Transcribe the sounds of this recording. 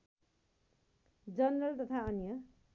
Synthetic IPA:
d͡zʌnrʌlt̪ʌt̪ʰaʌnjʌ

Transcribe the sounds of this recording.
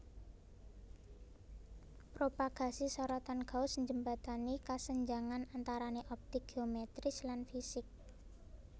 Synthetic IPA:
pɾopaɡ̥a̤sisɔɾɔt̪anɡ̥a̤ʊsəɲd͡ʒəmbat̪anikasəɲd͡ʒaŋanant̪aɾaneʔɔp̚t̪ɪk̚ɡ̥eomɛt̪ɾɪslanfisɪk̚

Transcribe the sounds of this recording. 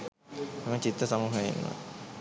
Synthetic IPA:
emət͡ɕit̪ɾəsamuːɦəḭnːo̰

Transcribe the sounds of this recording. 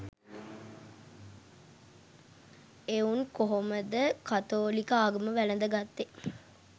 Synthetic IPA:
euŋkoɦoməd̪əkat̪oːlikəaːɡəməʋælənd̪əɡat̪ːe

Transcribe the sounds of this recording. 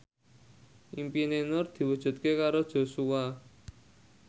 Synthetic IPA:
ʔimpinenʊrd̪̥i̤wud̥ʒ̥ṳt̪̚kekaɾod̥ʒ̥o̤suwa

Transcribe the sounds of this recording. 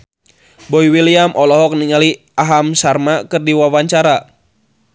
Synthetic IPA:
bɔiwiliamʔɔlɔɦɔk̚niŋali | aɦamsarmakɨrdiwawaɲt͡ʃaɾa

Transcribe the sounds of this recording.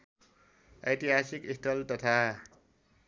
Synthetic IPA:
ajt̪iɦasikisʈ̪ʌlt̪ʌt̪ʰa

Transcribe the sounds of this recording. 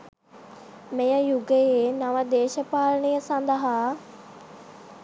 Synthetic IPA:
mẽjə̃juɡəenɐʋəd̪eːʃəpaːləɳijəsãnd̪aɦaː

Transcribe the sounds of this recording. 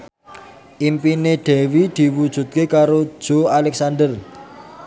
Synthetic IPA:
ʔimpineɖ̪̥ɛ̤wid̪̥i̤wud̥ʒ̥ṳt̪̚kekaɾo̥ʒ̥oalɛk̚sand̪ər

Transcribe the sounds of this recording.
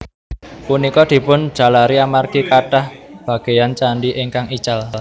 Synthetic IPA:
punikɔd̪̥i̤pʊn̥d͡ʒ̥a̤laɾiamarkikaʈahb̥a̤ɡ̥e̤jant͡ʃaɳɖiʔiŋkaŋit͡ʃall

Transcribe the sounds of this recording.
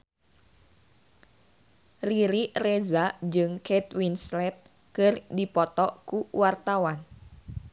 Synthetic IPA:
riɾirɛzad͡ʒɨŋkɛt̪winslɛt̪̚ | kɨrdipɔt̪ɔkuwart̪awan

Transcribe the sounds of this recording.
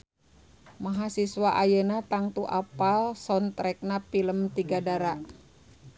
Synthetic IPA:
maɦasiswaʔajənat̪aŋt̪uʔapalsɔnt̪ɾɛk̚napiləmt̪iɡadaɾaʔ

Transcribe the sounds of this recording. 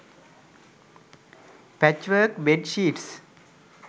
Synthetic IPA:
pæt͡ʃʋəɾkʋeɖʃiːʈs

